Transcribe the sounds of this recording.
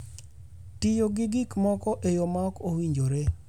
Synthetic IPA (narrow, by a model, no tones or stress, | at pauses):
tɪjoɡɪɡɪkmɔkɔʔejomakowiɲd͡ʒoɾe